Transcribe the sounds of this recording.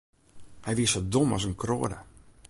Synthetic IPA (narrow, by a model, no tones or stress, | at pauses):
hɛjʋiəsodomɔ̰sənkro̰ːədə